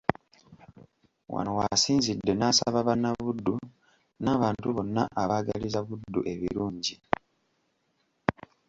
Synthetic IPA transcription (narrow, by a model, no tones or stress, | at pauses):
wa̰nowasiːnzidːe̞nasaβaβanːaβudːu | naːβaːntuβo̞nːa̰ʔaβaɡalizaβudːuʔe̞βḭɾuːɲɟi